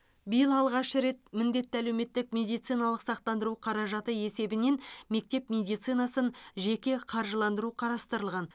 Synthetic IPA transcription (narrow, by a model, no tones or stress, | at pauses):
bijəlˠɑlˠʁɑʃʃəɾe̞t̪̚mɪnd̪e̞t̪ːɪælewme̞t̪ːɪkmʲe̞d̪ijt̪sijnɑlˠəqsɑq̚t̪ɑnd̪əɾuqʰɑɾɑʒɑt̪əe̞se̞bɪne̞nme̞k̚t̪e̞pmʲe̞d̪ijt̪sɨjnɑsənʒe̞kʲe̞qʰɑɾʒəlˠɑnd̪əɾuqʰɑɾɑst̪əɾəlˠʁɑn